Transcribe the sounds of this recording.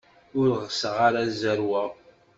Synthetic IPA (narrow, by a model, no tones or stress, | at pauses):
ʊɾʁsəʁaɾazəɾwæ